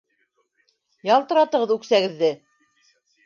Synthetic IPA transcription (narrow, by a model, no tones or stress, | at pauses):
jɑlˠt̪ɤ̆ɾɑt̪ɤ̆ʁɤðʉksæɡɘ̆ðːɘ